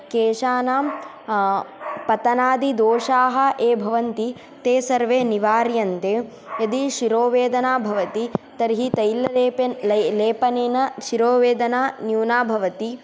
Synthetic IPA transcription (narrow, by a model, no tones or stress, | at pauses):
keːʃaːnaːm | pɐt̪ɐnaːd̪id̪oːʃaːɦɐ̆ʔeːbʱɐʋɐnt̪i | t̪eːsɐɾʋeːniʋaːɾjɐnt̪eː | jɐd̪iʃiɾoːʋeːd̪ɐnaːbʱɐʋɐt̪it̪ɐɾɦit̪ɐjlɐlepleːpɐneːnɐʃiɾoːʋeːd̪ɐnaːnjuːnaːbʱɐʋɐt̪i